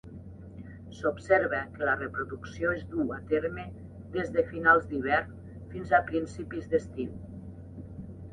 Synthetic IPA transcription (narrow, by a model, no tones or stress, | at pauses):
sopseɾβəkəlarepɾuðuksioezd̪uat̪eɾme | d̪ezðəfinalˠzd̪iβ̞ɛɾn | finzapɾinsipizd̪est̪in